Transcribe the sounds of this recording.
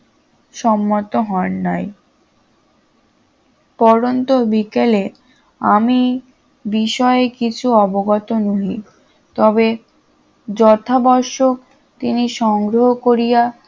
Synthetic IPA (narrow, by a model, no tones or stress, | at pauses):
ʃɔmːot̪oɦɔnːaj | pɔɾont̪obikele | ami | biʃɔeekit͡ɕʰuɔboɡɔt̪onuɦi | t̪ɔbe | d͡ʑɔt̪ʰabɔɾʃok | t̪iniʃɔŋɡɾoɦokoɾija